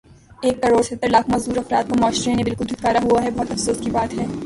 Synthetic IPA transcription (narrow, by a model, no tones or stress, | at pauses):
eːkːɐɾoːɾset̪ːəɾlaːkʰmɐːzd̪uːɾɐfɾa̰ːt̪̚pɐɾmaːʃɾenẽbɪlkʊld̪ɪt̪kːaːɾaɦuaɦɛbɔɦʊt̪ɐfsoːskibaːt̪ɦɛː